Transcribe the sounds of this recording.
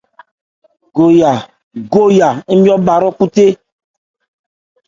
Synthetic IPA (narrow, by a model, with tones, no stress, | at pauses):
ɡo˨ja˨ | ɡo˦ja˨˦mĩ˦ɔ˦ba˨ɾɔ˦ku˦t̪e˦